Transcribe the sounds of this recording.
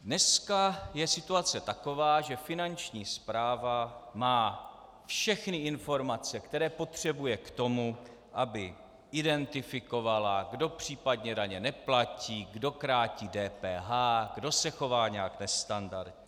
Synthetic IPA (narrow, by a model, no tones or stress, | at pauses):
dnɛskajɛsɪt̪uat͡sɛt̪ako̞vaːʒɛfɪnant͡ʃɲiːspɾaːvamaː | fʃɛxnɪɪnfo̞ɾmat͡sɛkt̪ɛɾɛːpo̞t̪r̝̥ɛbujɛkt̪o̞mu | ʔabɪ | ʔɪdɛnt̪ɪfɪko̞valaɡdo̞pr̝̥iːpadɲɛdaɲɛnɛplaciːɡdo̞kɾaːciːdɛːpɛːɦaːɡ̥do̞sɛxo̞vaːɲɛaknɛst̪andaɾt̪ɲ